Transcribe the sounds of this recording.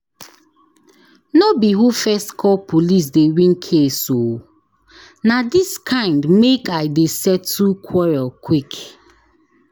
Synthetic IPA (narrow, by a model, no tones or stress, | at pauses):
nɔbiɦufɛstkʰɔlpʰolis̬dewĩnkʰeso | nadiskʰãɪ̃ndmekaɪdesɛtːukʰwɔɹɔlkʰwik